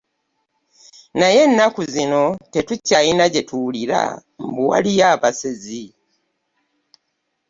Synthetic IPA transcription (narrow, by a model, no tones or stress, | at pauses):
naje̞nːakuzino̞te̞tucːajinaɟe̞tuliɾa̰mbuwa̰lijaːβasezi